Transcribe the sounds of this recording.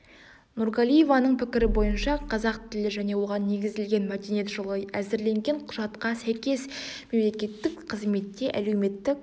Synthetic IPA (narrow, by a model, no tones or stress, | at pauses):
nuɾɡalʲˠijevɑnəɴpʰɪkʲɪɾɪbo̞jənʃɑqʰɑzɑq̚t̪ʰɪlɪʒæne̞wo̞ʁɑnːe̞ɡʲɪzɪlɡʲe̞nmæd̪enjet̪ʒolˠəjæzɪɾle̞ŋɡʲeɴqʰʊʒɑt̪qɑsæjkʲe̞sme̞mle̞kʲe̞t̪ːɪkqʰəzme̞t̪ːe̞ʔæle̞wme̞t̪ːɪk